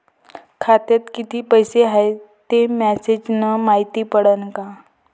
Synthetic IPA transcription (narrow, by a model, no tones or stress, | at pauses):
kʰat̪et̪kit̪ʰiːpəjseɦaet̪emɛsed͡ʑnəmaɦit̪iːpəɽənka